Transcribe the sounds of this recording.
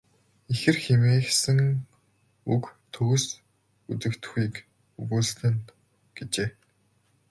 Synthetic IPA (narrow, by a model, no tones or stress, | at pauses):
ixɘ̆rxemeːxsɘ̆ŋ | ukt̪ʰɵɣɘ̆s | ut͡sɘ̆kt̪xiːk | uɣuːɮ̆t̪ɘ̆nt̪ | ɡ̥et͡ɕeː